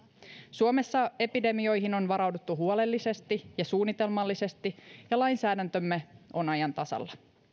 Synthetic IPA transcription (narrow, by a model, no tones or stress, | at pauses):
suome̞sːɑe̞pide̞mio̞jɦino̞nʋɑɾɑwdut̪ːuɦuole̞lːise̞st̪ijɑsuːnːit̪e̞lmɑlːise̞st̪ijɑlɑjnsæːdænt̪ø̞mːe̞o̞nɑjɑnt̪ɑsɑ̰lːɑ